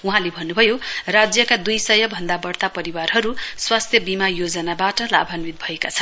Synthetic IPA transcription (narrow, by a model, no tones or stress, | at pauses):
uɦãlebʱʌnːubʱʌjorad͡zjʌkad̪ujsʌjʌbʱʌnd̪abʌrt̪apʌɾiwarɦʌɾuswast̪ʰjʌbimajod͡zʌnabaʈʌla̰bʱʌnwit̪̚bʱʌekat͡sʰʌn